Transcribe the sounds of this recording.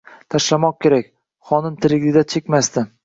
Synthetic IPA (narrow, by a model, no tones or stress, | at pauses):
t̪ʰaʃlamɒq̚kʲʰe̞ɾakʲ | χɒnɪnt̪ʰɪɾɪɡʲɪd̪at͡ʃʰekʲmast̪ɪ